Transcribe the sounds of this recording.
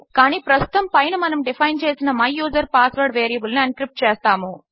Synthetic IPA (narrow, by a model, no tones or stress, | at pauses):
kaːniːpɾɐst̪ʊ̥t̪ɐmpɐjɐnɯmɐnɐmɖɪfɐɪnt͡ʃeːsɪnɐmɐjːuːsɐɾpaːsʋɐɾɖʋeːɾijɐbɯlnɐɐnkɾɪp̚ʈ̚t͡ʃeːst̪aːmoː